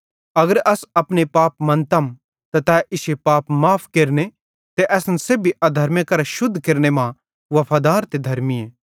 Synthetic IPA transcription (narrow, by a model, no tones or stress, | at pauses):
ɐɡəɾɐsɐpnepaːpmɐ̃nt̪ɐm | t̪ɐt̪ɛːʔɪʃepaːpmaːpʰkeɾne | t̪eʔɛːsnsebʱiʔɐd̪ʱɐɾmjakɐɾaʃʊd̪ʱːkeɾnemã | ʋɐpʰaːd̪aːɾt̪ed̪ʱɐɾmieː